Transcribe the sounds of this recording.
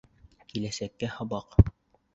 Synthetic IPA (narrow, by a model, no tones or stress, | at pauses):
kilæsækːæhɤ̆βɑq